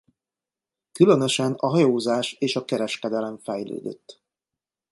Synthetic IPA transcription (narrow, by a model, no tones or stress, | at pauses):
kylønøʃɛnɒɦɒjoːzaːʃeːʃɒkɛɾɛʃkɛd̪ɛlɛɱfɛjlø̰ːd̪ø̰t̪ː